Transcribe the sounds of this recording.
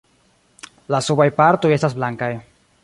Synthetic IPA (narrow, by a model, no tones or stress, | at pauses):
lasubajpaɾto̞je̞stas̬blaŋkaj